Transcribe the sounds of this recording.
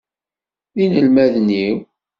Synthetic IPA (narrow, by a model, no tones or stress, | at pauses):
inəlmæðniw